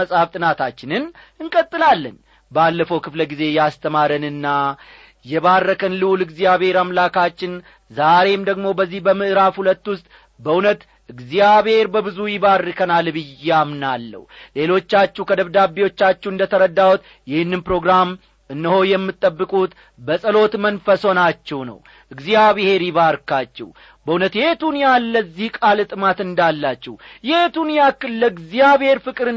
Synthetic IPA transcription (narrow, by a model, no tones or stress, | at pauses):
əsʼhaft̪ʼɨnat̪ʰat͡ʃːɪnɨn | ɨŋkʼət̪ʼːɨlalːə̰n | balːəfəwkʰɨfləɡize̞jast̪ʰəmaɾənɨnːa | jɛβarːəkʰənlɨwulɨɡzijaβhe̞ɾamlakʰat͡ʃːɪn | zaɾe̞md̪əɡmo̞bəzːihbəmɨʔɨɾafhulət̪ːwʊst̪ʼ | bəʔunət̪ | ʔɨɡzijaβhe̞ɾbəβɨzujɪbarːkʰənalbɨjːamnalːə̰hwule̞lo̞t͡ʃːat͡ʃːuhkʰəd̪əβd̪abːiwo̞t͡ʃːat͡ʃːɛɨnd̪ət̪ʰəɾəd̪ːawut̪ | jɪhɨnːɨnpɾo̞ɡɾam | ɨnːɨho̞jɛmːɨt̪ʼːəbːɨkʼut̪ | bəsʼəlo̞t̪mənfəso̞nat͡ʃːɛwnə̰w | ʔɨɡzijaβɨhe̞ɾjɪβaɾkat͡ʃːɛ̰w | bəunət̪jet̪unjalːəzːihkʼalɨt̪ʼɨmat̪ɨnd̪alːat͡ʃːɛwjet̪unjakɨlːəɡzijaβe̞ɾfɨkʼɨɾɨ